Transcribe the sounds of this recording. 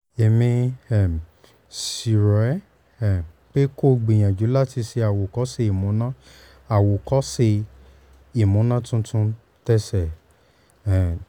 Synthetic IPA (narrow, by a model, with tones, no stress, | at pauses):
e˨mĩ˧ɛ˨ | si˨ɾɔ˨ɛ˦ | ɛ˨ | k͡pe˦ko˦˨ɡ͡bĩ˨j̃ã˨d͡ʒu˨˦la˦ti˧si˧a˨wo˨kɔ˨˦se˧i˨mũ˨˦nã˦ | a˨wo˨kɔ˨˦se˧ | i˨mũ˨˦nã˦tũ˦tũ˦ | tɛ˦sɛ˨ | ɛ˨